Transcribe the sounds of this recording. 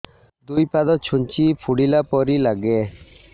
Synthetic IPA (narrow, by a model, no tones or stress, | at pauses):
d̪ujpad̪ɔt͡ʃʰunt͡ʃipʰuɽilapɔɾilaɡɛ